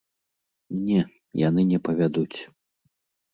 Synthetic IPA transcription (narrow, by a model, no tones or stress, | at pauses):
nʲɛ | ja̰nɨnʲɛpɐvʲad̪ut͡sʲ